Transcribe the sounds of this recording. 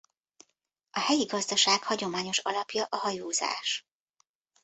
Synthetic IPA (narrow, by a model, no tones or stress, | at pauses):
ʔɒhɛjiɡɒzd̪ɒʃaːkhɒɟo̞maːɲo̞ʃɒ̰lɒpjɒʔɒɦɒjuːza̰ːʃ